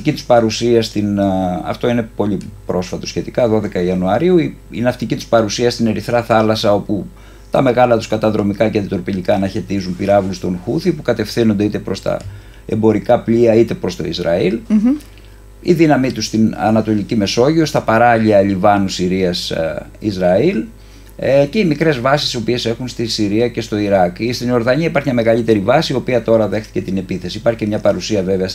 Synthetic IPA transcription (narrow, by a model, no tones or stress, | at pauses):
t̪icit̪u̥spɐɾusiɐst̪inɐ̰ft̪o̞ine̞po̞ʎipɾo̞sfɐt̪o̞sçe̞t̪ikɐðo̞ðe̞kɐiɐnuɐɾiui | inɐft̪icit̪u̥spɐɾusiɐst̪ine̞ɾiθɾɐθɐlɐsɐo̞pu | t̪ɐme̞ɣɐlɐt̪u̥skɐt̪ɐðɾo̞mikɐceɐnd̪it̪ɾopiʎikɐːnɐçe̞t̪izumpiɾɐvlust̪o̞nxuθipukɐt̪e̞fθino̞nd̪e̞it̪e̞pɾo̞st̪ɐ̰ | embo̞ɾikɐpliɐit̪e̞pɾo̞st̪o̞̰izɾɐ̰il | ḭðinɐmit̪ust̪inɐ̰nɐt̪o̞licime̞so̞ʝio̞st̪ɐpɐɾɐʎiɐlivɐnusiɾiɐsḭzɾɐil | ce̞imikɾe̞zvɐsisio̞pie̞se̞xunst̪isiɾiɐce̞st̪o̞iɾɐkist̪ino̞ɾðɐɲiɐipɐɾçimɲɐme̞ɣɐlit̪e̞ɾivɐsiio̞piɐt̪o̞ɾɐðe̞xθi̥ce̞t̪ine̞piθesiipɐɾçicemɲɐpɐɾusiɐve̞veɐs